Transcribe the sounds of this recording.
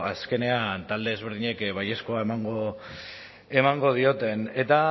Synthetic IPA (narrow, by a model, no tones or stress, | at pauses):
aske̞ne̞ant̪ald̪e̞ːzβ̞eɾðiɲe̞kβaje̞sko̞ae̞maŋɡo̞ | e̞maŋɡo̞ð̞io̞t̪e̞ne̞t̪a